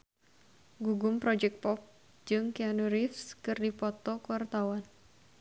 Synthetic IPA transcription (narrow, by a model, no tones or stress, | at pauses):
ɡuɡʊmpɾɔd͡ʒɛk̪̚pɔp̚ | d͡ʒɨŋkianuɾɪfskɨrdipɔt̪ɔkwart̪awan